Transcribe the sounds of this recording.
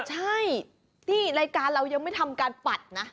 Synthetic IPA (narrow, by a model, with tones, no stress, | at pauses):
t͡ɕʰa˥˩j | t̪ʰiː˥˩ɾaː˧jkaː˧nɾa˧wja˧ŋma˥˩jt̪ʰa˧mkaː˧npa˨˩t̪̚na˦˥